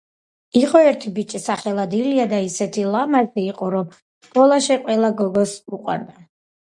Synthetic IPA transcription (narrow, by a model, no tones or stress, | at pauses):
iqʼɔɛɾt̪ʰibit͡ʃʼisaχɛlˠad̪iliad̪aisɛt̪ʰilˠamaɾziːqʼɔɾɔm | skʼɔlˠaʃɛqʼwɛlˠaɡɔɡɔsuqʼwa̰ɾd̪a